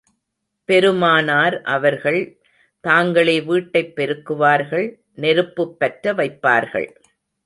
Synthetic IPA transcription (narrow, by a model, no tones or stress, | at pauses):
pɛɾɯmaːnaːɾʔɐʋɐɾɣɐɭ | t̪aːŋɡɐɭeːʋiːʈːɐɪpːɛɾɯkːɯʋaːɾɣɐɭ | nɛɾɯpːɯpːɐʈɾɐʋɐɪpːa̰ːɾɣɐ̰ɭ